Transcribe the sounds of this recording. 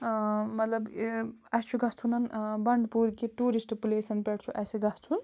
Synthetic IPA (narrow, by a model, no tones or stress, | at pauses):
mɐt̪lɐbɐt͡ʃʰuɡɐt͡sʰunɐnbɐɳɖpuːɾkiʈuːɾisʈpuleːsɐnpeʈt͡ʃʰuʔɐsiɡɐɦt͡sʰun